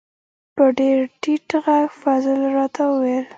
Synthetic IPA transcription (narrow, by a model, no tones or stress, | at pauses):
pəɖeɾʈiʈɣaɡfazəlɾɑt̪ʰawəwel